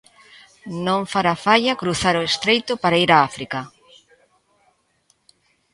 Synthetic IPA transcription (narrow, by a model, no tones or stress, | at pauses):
nõŋfaɾafaʎakɾuθaɾoest̪ɾejt̪ʊpaɾaiɾaafɾika